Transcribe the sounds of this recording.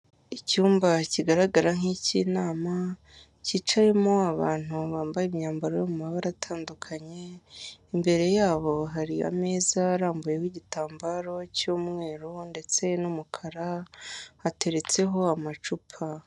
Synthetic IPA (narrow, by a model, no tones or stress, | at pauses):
icuːmbaciɡaɾaɡaɾaŋicinaːma | cit͡ʃaje̞mo̞aβa̰ːn̥huβaːmbajemɲaːmbaɾojomumaβaɾatʰaːndukʰaɲe̞imbe̞ɾe̞jaːβo̞ɦaɾia̰me̞ːzaɾaːmbuje̞wiɟitaːmbaɾo̞cuːmŋe̞ːɾonde̞t͡se̞numukʰaɾa | hate̞ɾe̞t͡se̞ɦo̞amat͡ʃupʰa